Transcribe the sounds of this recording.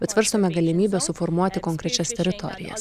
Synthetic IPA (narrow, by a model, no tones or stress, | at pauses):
bʲɛt̪sʋʲɛɾst̪oːmʲɛɡɐlʲɪmʲiːbʲɛsʊfɔɾmuɔt̪ʲɪkɔŋkɾʲɛt͡ʃʲɛst̪ʲɛɾʲɪt̪ɔ̰ɾʲɪ̰jɛ̰s